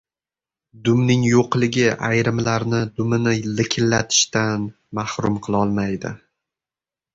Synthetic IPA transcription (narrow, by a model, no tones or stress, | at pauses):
d̪ʊmnɪŋjoqlɪɡʲɪʔa̰jɾɪmlaɾnɪd̪ʊmɪnɪlɪkʲʰɪlːat̪ʰɪ̥ʃt̪an | mahɾʊmqʰɨlˠɒlˠmajd̪ɪ̰